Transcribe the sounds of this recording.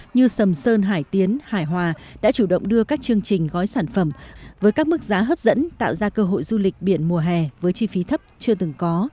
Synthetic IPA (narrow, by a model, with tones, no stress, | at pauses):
ɲɨ˧sə˨˩msəː˧nɦaː˧˩jt̪i˨˦ənhaː˧˩jɦwaː˨˩ɗa̰ː˧˥t͡ɕu˧˩ɗə̰˧˨wŋ͡mɗɨ˧əkaː˦˥k̚t͡ɕɨ˧əŋt͡ɕï˨˩ŋ̟ɣɔ˨˦jsaː˧˩nfə˧˩mvəː˨˦jkaː˦˥k̚mɨ˦˥k̚zaː˨˦ɦəː˦˥p̚zə̰˧˥nt̪a̰ː˧˨wzaː˧kəː˧ɦo̰˧˨jzu˧lï˨˩k̟̚ɓi˧˩ənmu˨˩əɦɛ˨˩vəː˨˦jt͡ɕi˧fi˨˦t̪ʰə˦˥p̚t͡ɕɨ˧ət̪ɨ˨˩ŋkɔ˨˦